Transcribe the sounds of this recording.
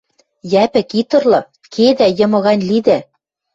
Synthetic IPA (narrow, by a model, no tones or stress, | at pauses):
jæpɘ̆kit̪ɤ̆rlɤ̆ | kʰed̪æjɤ̆mɤ̆ɣɑnʲlid̪æ